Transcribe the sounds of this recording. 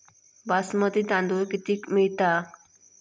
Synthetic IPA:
basmət̪id̪ãnd̪ojkit̪ikmit̪a

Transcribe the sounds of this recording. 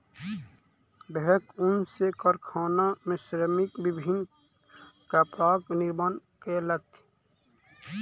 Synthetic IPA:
beɦəkunsekɔɾkʰaːnamẽsɾəmikbibʱin | kapaːkniɾmənkelət̪

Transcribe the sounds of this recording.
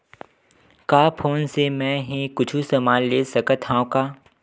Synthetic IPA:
kaːpʰoːnsemɛ̃ːɦẽkʊt͡ʃʰusɐmaːlleːsɐkət̪ɦãõkaː

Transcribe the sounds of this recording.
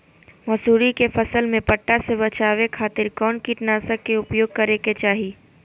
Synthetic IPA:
mɐsuːɾikefɐsəlmẽpɐʈːasebɐt͡ʃaːwekʰaːt̪ɪɾkɔːnkiʈnaːsakeʊpjoːɡ̚kɐɾeket͡ʃaːɦiː

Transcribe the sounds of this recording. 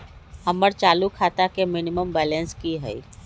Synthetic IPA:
ɐməɾt͡ʃaːlukʰaːt̪akemɪnɪməmbɛːlẽnskiɦɛ̰i

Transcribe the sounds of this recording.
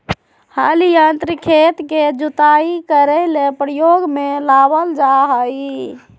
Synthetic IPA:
halijənt̪ɾikʰet̪ked͡ʒut̪aikəɾəlepɾəjoɡmelabəld͡ʒaɦəj

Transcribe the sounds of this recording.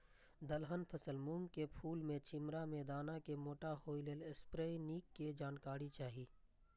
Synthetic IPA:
d̪əlɦənpʰəsəlmũmkepʰuːlmẽt͡ʃɪmɾamẽd̪aːnakemoːʈahoːileːlespɾeːiniːkːed͡ʒaːnkaːɾit͡ʃaːɦiː

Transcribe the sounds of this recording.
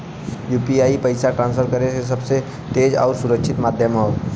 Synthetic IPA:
juːpiaːipɐɪsaʈɾãːnsfʰəɾkəɾeses̬ɐbse | t̪eːd͡ʒɔ̰ːɾsʊɾəkʃʰɪt̪maːd̪ʱjəmɦoː

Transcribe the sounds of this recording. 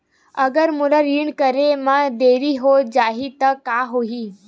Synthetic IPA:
əɡəɾmuləɾiɳkəɾemad̪eɾiɦod͡ʒaɦit̪əkaɦoɦiː

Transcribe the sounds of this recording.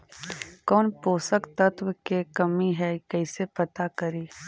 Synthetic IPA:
kɔːnpoːsəkt̪ɐt̪wəkekɐmiɦɛkɛɪsepɐt̪akɐɾiː

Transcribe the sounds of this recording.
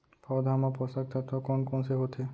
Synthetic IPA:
pʰɔd̪ʱɦamapɔsak̚t̪ʰat̪ɔkɔnkɔnseɦot̪ʰe

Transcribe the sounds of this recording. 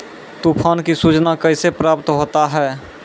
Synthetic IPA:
t̪uːpʰaːnkisud͡ʒnakəɪsepɾaːp̚t̪ɦoːt̪aɦɛː

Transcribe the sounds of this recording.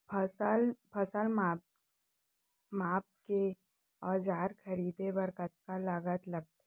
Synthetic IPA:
pʰəsəlpʰəsəlmap | maːp̚ke | ɔːɾd͡ʒaːɾkʰəɾiːd̪ebəɾkət̪̚kalaːɡət̪lɐɡ̚t̪ː

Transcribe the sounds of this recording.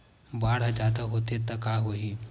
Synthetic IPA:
baːɽ̤ad͡ʒad̪aɦot̪et̪akaɦoɦiː

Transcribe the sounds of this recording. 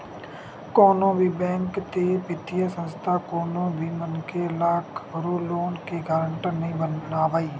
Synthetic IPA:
koːnõːbʱiːbɛ̃ːŋkt̪eːpɪt̪ʰɪjãːsənst̪ʰaːkoːnõːbʱiːmənkelaːkʰɾoːloːnkeːɡaːɾəɳʈənəɦĩːnaːʋaːiː

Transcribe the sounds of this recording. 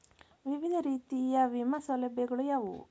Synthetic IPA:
ʋiʋid̪ʱɐɾiːt̪ijɐʋimɐsɐlɐbjɐɡɐɭujaːʋṵ

